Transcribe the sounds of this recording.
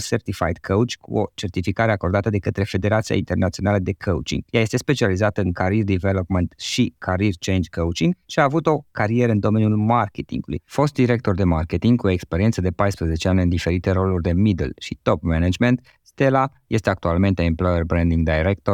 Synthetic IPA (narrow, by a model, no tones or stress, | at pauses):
sert̪ifa̰jd̪kʰəwt͡ʃkʰṵo̞t͡ʃe̞rt̪ifikaɾe̞ako̞rd̪at̪əd̪e̞kət̪ɾe̞fe̞d̪e̞ɾat̪sia̰int̪e̞rnat̪sio̞naləd̪e̞kʰəw̰t͡ʃḭŋɡjaje̞st̪e̞spe̞t͡ʃializat̪əɨnkaɾird̪ivelo̞pment̪ʃikʰaɾirt͡ʃe̞jnd͡ʒkəwt͡ʃiŋɡʃiaːvut̪o̞kaɾijeɾəɨnd̪o̞me̞nijulmarket̪ḭŋɡulṵjfo̞st̪̚d̪iɾe̞k̚t̪o̞rd̪e̞marke̞t̪iŋɡkuo̞ekspeɾie̞nsəd̪e̞pajspɾəze̞t͡ʃeanʲɨnd̪ife̞ɾit̪e̞ɾo̞lurʲd̪e̞mid̪ḛlʃit̪o̞pmenad͡ʒment̪ | st̪e̞la | je̞st̪eakt̪ualme̞nt̪eemplojerbɾend̪iŋɡd̪ajɾek̚t̪o